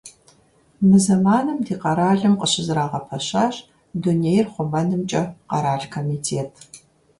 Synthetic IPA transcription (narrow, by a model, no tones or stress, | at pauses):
mɨzɐmaːnɨmdiːqɐɾaːɮɨmqʼəɕɪzɨɾaːʁɐpʰɐɕaːɕ | dunejrχʷʊmɐnɨmt͡ʃʼɐqɐɾaːɮkʰoːmiːtʰeːtʰ